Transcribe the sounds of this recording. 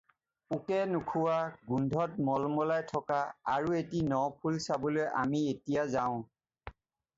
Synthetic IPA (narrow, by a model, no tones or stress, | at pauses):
ukɛnukʰuwaɡundʱɔt̚mɔlmɔlajtʰɔkaaɹuetinɔpʰulsabɔloja̰mietijazaʊ̃